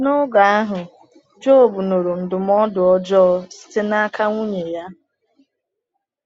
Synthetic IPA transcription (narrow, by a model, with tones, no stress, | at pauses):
no˦ɡa˨a˦ɦʊ˨ | d͡ʒo˦o˨bu˨no˨ɾo˨n̩˨dʊ˨m˦ɔ˦dʊ˨ɔ˦d͡ʒɔ˦sɪ̥˦tɪ˦na˦ka˦ŋʷu˦ɲe˨ja˦